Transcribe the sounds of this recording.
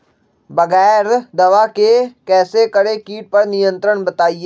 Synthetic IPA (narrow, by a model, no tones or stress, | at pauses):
bɐɣɛːɾd̪ɐʋakekɛːsekɐɽekiːʈ̚pɐɾnɪjə̃nt̪ɾəɽ̃bɐt̪aːieː